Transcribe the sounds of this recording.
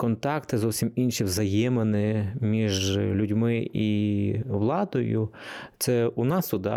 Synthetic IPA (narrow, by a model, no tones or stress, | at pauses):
kɔnt̪ɑkt̪ɪzɔwsʲiminʃiʋzɐjɛmenɪmʲiʒlʲʊdʲmɪiʋlˠɑd̪ɔjʊ̰t̪sɛunɑst̪ʊd̪ɑ̰